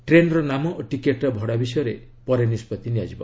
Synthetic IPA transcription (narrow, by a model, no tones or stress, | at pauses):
ʈɾenɔɾɔnamɔʔoʈikeʈɾɔbʱɔɽabisɔjɔɾe | pɔɾenispɔt̪inijad͡ʒibɔ̰